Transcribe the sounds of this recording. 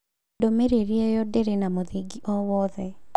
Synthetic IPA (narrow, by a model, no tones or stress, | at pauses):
domeɾeɾiejɔdeɾenamoðiɡiʔɔwɔðɛ